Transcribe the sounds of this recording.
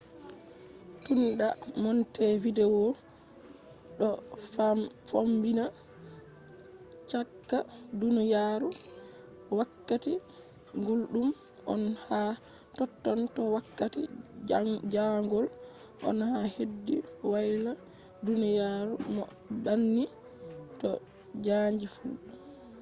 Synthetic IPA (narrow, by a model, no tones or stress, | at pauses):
tunɗamɔntɛvidɛwɔ | ɗɔ | fombina | t͡ʃakːa | dunijaɾu | wakːati | ŋɡulɗum | ʔɔ̰nha | tɔtːɔntɔwakːatḭ | d͡ʒaŋɡɔl | ʔɔ̰nhahedːi | wajla | dunijaɾumɔ | banːi | tɔ | d͡ʒaɲd͡ʒifṵ